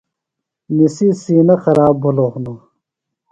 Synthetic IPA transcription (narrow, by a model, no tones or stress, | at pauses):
nisiːsiːnɐxɐɾaːbːʱuloːxna